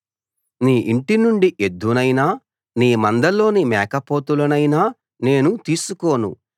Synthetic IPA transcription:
niːʔiɳʈinuɳɖiʔe̞d̪unɐjnaː | niːmɐnd̪ɐlo̞ːnimɛːkɐpoːt̪ulɐnɐjnaː | ne̞ːnut̪iːsuko̞ːnṵ

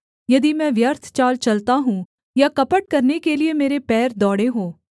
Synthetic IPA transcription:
jɐd̪imɛ̃ːʋjəɾt̪ʰt͡ʃaːlt͡ʃɐlt̪aɦũː | jakɐpəʈ̚kɐɾnekeliemeːɾepɛːɾd̪ɔːɽeɦoː

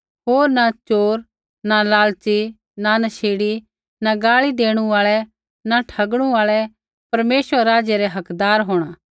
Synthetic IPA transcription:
ɦoːɾnat͡ʃoːɾ | nalaːlt͡ʃi | nanɐʃʰeːɽi | naɡaːɭid̪eːɽ̃ũaːɭɛ | naʈʰɐɡɽ̃ũaːɭɛ | pɐɾmeːsʋəɾɾaːd͡ʒɛɾɛɦɐkd̪aːɾɦoːɽ̃aː

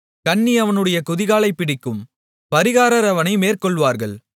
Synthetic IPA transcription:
kɐɳːiɐʋɐnɯɽɐjɐkʊðɪɣaːɭɐɪpːɪɽɪkːɯm | pɐɾɪɣaːɾɐɾɐʋɐnɐɪmeːrkɔɭʋaːɾɣɐɭ

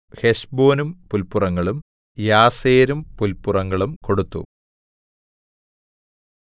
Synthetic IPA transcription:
heʂbo̞ːnumpulpurɐŋːɐɭum | jaːseːɾumpulpːurɐŋːɐɭumko̞ɽut̪ːṵ

